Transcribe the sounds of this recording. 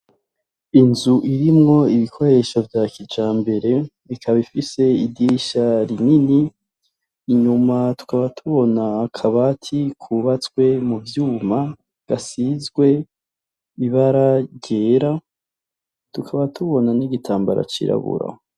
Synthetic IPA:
inzuʔiɾimŋo̞iβikʰo̞ɾe̞ʃo̞vjakʰid͡ʒaːmbe̞ɾe̞ | βikʰaβifise̞idiʃaɾininiː | ɲumatu̥kaβatʰuβo̞naːkʰaβatʰikʰuβat͡sɡwe̞muvjuːma | ɡ̥asizɡwe̞ | iβaɾaɟeɾa | tukʰaβatʰuβo̞naniɡitʰaːmba̰ɾa̰t͡ʃḭɾa̰βṵɾa̰

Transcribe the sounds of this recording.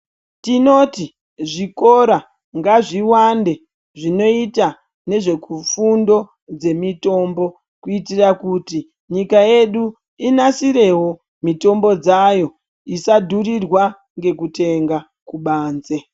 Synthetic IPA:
tino̞ti | ʐiko̞ɾa | ŋɡaʐiwande̞ | ʐino̞ita | ne̞ʐe̞kufundo̞ | d͡ze̞mito̞mbo̞ | kuitirakuti | ɲikaje̞ɗu | inasiɾe̞ɦo̞ | mito̞mbo̞d͡zajo̞ | isadʱurirwa | ŋɡe̞kute̞ŋɡa | kuɓaːnze

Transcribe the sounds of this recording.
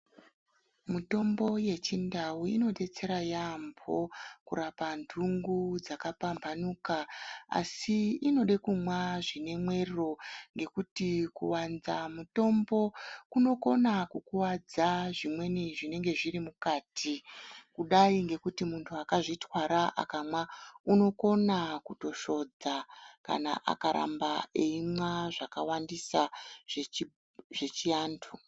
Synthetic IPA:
muto̞mbo̞je̞t͡ʃindauino̞ɗe̞t͡se̞ɾajambʱo̞̰kuɾapandʱuŋɡud͡zakapambʱanuːkaa̰siino̞ɗekumwaʐine̞mwe̞rro̞ŋɡe̞kutikuwanzamuto̞mbo̞kuno̞ko̞nakukuwad͡zaʐimwe̞niʐine̞ŋɡe̞ʐiɾimukaːtʰikuɗaiŋɡe̞kutimuntʰuakaʐitwaɾaʔa̰kamwauno̞ko̞nakuto̞ʃo̞d͡zaka̰na̰ʔa̰kaɾa̰mbaeimwaʐaka̰wandisaʐe | ʐe̞t͡ʃiaːntʰu

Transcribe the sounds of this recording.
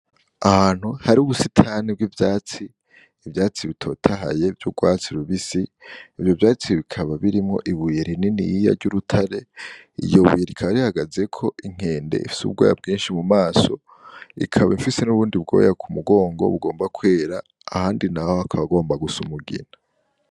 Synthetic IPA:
ahan̥huhaɾiuβusitʰaːnib̚ɡivjaːt͡siː | vjaːt͡siβitʰo̞ːtʰaɦa̰je̞vjuɡwaːt͡siɾuβisiːvjo̞vjaːt͡siβikʰaβaβiɾimŋo̞̰ʔiβujeɾininḭjija̰ɾɟuɾutʰaɾe̞ | ḭjo̞βṵjeɾikʰaβaɾihaɡaze̞kʰo̞iŋ̥e̞ːndḛḭfi̥sṵuɡwa̰ja̰bɡiːnʃimumaːso̞ | ḭkʰaβaiɱfise̞nuβuːndibɡo̞̰ːjakʰumuɡo̞ːŋɡo̰βuɡo̞ːmbakwe̞ːɾaː | haːndinahohakʰaβaɡo̞ːmbaɡusumuɡḭna

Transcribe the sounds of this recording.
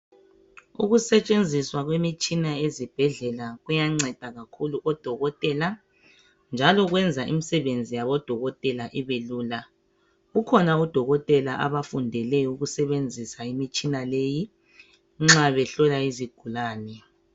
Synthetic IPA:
ṵɣusɛt͡ʃʼend͡zʱiswaɣwemit͡ʃʼinaezib̥ʱɛɮɛlaɣujaŋ͡ǀɛd̥ʱaɣakʰuluʔɔd̥ʱɔɣɔtʼɛla | nd͡ʒʱalɔɣwɛnd͡zʱaʔḭmisɛβend͡zʱijaβɔd̥ʱɔɣɔtʼɛlaʔiβeluːla | ɣukʰɔnaud̥ʱɔɣɔtʼɛlaʔa̰βafundʱɛlɛuɣusɛβend͡zʱisaimit͡ʃʼinaleji | ŋ͡ǁaβɛɬɔlaiziɡ̥ʱulaːnɛ

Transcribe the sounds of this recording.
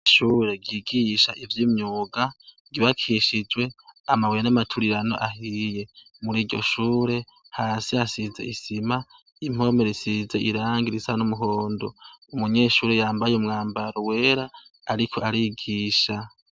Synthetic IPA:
ʃuːɾe̞ɡiːɡiʃaʔivjimɲuːɡa | ɡiβakʰiʃid͡ʒwe̞amaweenamatʰuɾiɾano̞̰ʔahije̞ | muɾiːɾɟo̞̰ʃuːɾe̞ | haːsiasize̞̰isima | im̥o̞me̞ɾisize̞ʔiɾaːŋɡiɾisanumuɦo̞ːndoumuɲe̞ːʃuːɾejaːmbajeumŋaːmbaɾowe̞ːɾaaɾikʰo̞aɾiɡiːʃa

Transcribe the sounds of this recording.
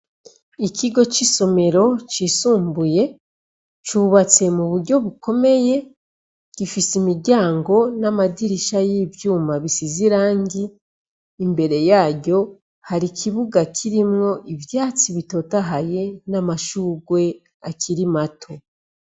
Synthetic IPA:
ikiɡo̞t͡ʃiso̞me̞ɾo̞t͡ʃisuːmbuje̞ | t͡ʃuβat͡se̞muβuɾɟo̞βuko̞me̞je̞ | kifisimiɟaːŋɡo̞namadiɾiʃajiːbjuːmaβisiziɾaːŋɡiː | mbe̞ɾe̞jaːɟo̞ | haɾikʰiβuɡakʰiɾimŋo̞ʔivjaːt͡siβito̞taɦaje̞namaʃuːɡwe̞ | akʰiɾimatʰo̞

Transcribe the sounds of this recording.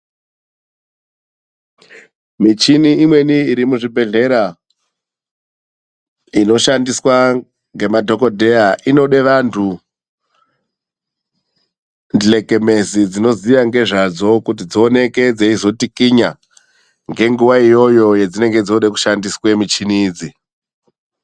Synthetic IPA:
mit͡ʃiniːmwe̞niːɾimuʐibʱe̞ɮe̞ɾa | ino̞ʃandiswa | ŋɡe̞madʱo̞ko̞dʱe̞aʔino̞ɗe̞ʋantʰu | ndle̞ke̞me̞zid͡zino̞ziʋaŋɡe̞ʐad͡zo̞kut̬id͡zione̞ke̞d͡zeizo̞tikiɲa | ŋɡe̞ŋɡuʋaijo̞jo̞je̞d͡zine̞ŋɡe̞d͡zoɗeku̥ʃandiswemit͡ʃiniːd͡zi

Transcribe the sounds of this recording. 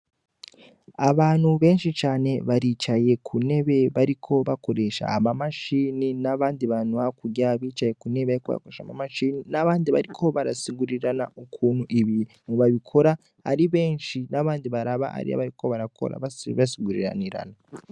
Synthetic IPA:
aβaːn̥huβe̞ːnʃit͡ʃaːne̞βaɾit͡ʃaje̞kʰune̞βe̞βaɾikʰo̞βako̞ɾe̞ʃa̰ːmamaʃiːninaβaːndiβanuβakuɟaβiːt͡ʃaje̞kune̞βaɾikoβa̰a̰koɾeʃa̰mamaʃiːninaβaːndiβaɾikʰo̞βaɾasiɡuɾiɾanaʔokʰuːnuʔiβi | muβaβikʰo̞ɾa | a̰ɾiβe̞ːnʃinaβaːndiβaɾaβa̰a̰ɾḭa̰βaɾikʰo̞βaɾakʰo̰ɾa̰ββasiɡuɾḭɾa̰niɾa̰na

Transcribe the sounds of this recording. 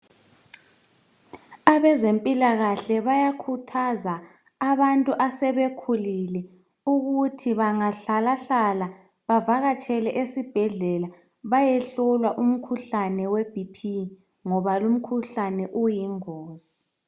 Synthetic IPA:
aβɛzempʼilaɣaɬɛβajakʰutʰazaː | βantʼuʔasɛβekʰulilɛ | uɣutʰiβaŋaɬalaɬala | βavaɣat͡ʃʼɛlɛʔesib̥ʱɛɮɛla | βajɛɬɔlwaʔum̩kʰuɬanɛweb̥ʱipʰi | ŋɔβalum̩kʰuɬanɛʔujiŋoːz̥i

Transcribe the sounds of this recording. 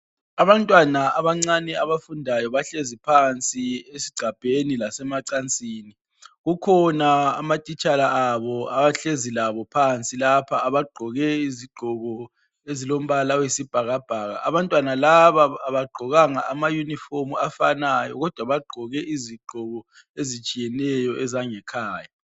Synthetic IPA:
aβantʼwanaaβaŋ͡ǀanɛaβafundʱajɔβaɬezipʰant͡sʼiesiɡ͡ǀʱab̥ʱenilasɛmaǀant͡sʼiːni | ɣukʰɔnaːmatʼit͡ʃʼalaaβɔaβaɬezilaβɔpʰant͡sʼilapʰaːβaɡ͡ǃʱɔɣɛiziɡ͡ǃʱɔɣɔ | ezilom̩βalawisib̥ʱaɣab̥ʱaːɣa̰ʔa̰βantʼwanalaβaːβaɡ͡ǃʱɔɣaŋa̰ʔamajunifomuafanajɔ̰ɣɔd̥ʱwaβaɡ͡ǃʱɔɣɛʔiziɡ͡ǃ̥ʱɔɣɔ | ezit͡ʃʼijɛnɛjɔʔɛzaŋɛkʰaːja

